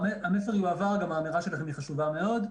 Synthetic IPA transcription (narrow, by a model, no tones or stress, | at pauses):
eamefeʁjuavaʁɡamaːmiʁaʃelaχemiχaʃuvame̞o̞d